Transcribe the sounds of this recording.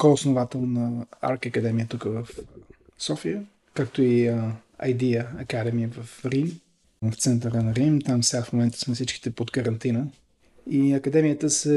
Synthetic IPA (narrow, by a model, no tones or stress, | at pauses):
kɔʊsnovat̪ɛlˠnɐa̰ɾkəkɐd̪ɛmijət̪ukəvəfsɔfiə | kak̚t̪oiɐ̰jd̪iəɐkad̪ɛmiəvəfɾim | ft̪sɛnt̪əɾənɐɾimt̪amfsɛɡafmomɛnt̪ə̥smɛfsit͡ʃki̥t̪ɛpot̪kəɾɐnt̪inə | iɐkɐd̪ɛmiət̪əsɛ